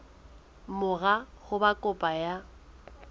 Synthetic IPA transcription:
mʊɣa | χʊbakʼʊpʼaja

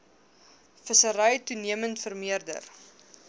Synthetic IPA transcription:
fəsəɾəjtuniəməntfərmiərdə̰r

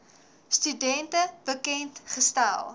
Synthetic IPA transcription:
stydɛntəbəkɛntχəstæ̰lˠ

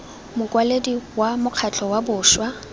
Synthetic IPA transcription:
mʊkʼwalediwamʊq͡χʰat͡ɬʰʼɔwabʊːʃwa

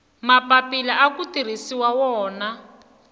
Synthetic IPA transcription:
mapapilaʔakutir̤isiwawɔːna

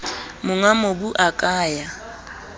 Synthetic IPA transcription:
mʊŋwamobuʔakʼaːja

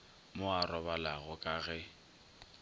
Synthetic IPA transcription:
mʊarɔbalaɣʊkʼaɣɛ

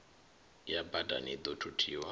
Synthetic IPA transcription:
jabadʱa̰nid̪otʰutʰiːwa

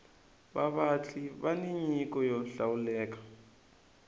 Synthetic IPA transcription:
baβat͡ɬʰibaniɲikʼɔjɔɬawulɛːk̬ḁ

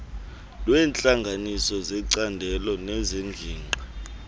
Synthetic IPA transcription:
lwɛːnt͡ɬʼaŋɡʱanisɔzɛǀandʱɛlɔnɛzeŋd͡ɮʱiːŋ͡ǃʱa

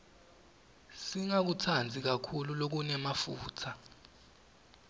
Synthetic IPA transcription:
siŋak̬utʰand͡zʱik̬akʰululok̬unɛmafuːtʰa

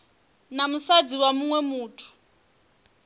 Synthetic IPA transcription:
namusad͡ziwamuŋwɛmuːtʰu̥

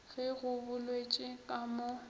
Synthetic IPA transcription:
ɣɪɣʊbʊlwet͡ʃʼɪkʼamo

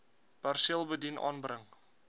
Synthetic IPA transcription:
b̥arsilˠbədinʔɑ̰ːnbrəŋ

